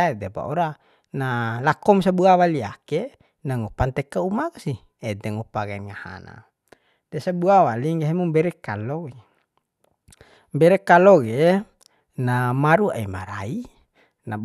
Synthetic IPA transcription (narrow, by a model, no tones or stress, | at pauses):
aed̪eba̰oɾa | nalakɔmsabuawaliake | naŋupant̪ɛkaumakasi | ɛdɛŋupaɡenŋaha̰na̰ | dɛsabuawaliŋɡaɦemumbɛɾekalowe | mbɛɾekaloɡe | namaɾua̰imaɾa̰i | na